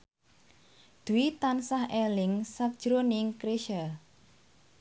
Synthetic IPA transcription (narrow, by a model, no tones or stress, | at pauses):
d̪̥uit̪ansahelɪŋsak̚d̥ʒ̥ɾonɪŋkɾeʃa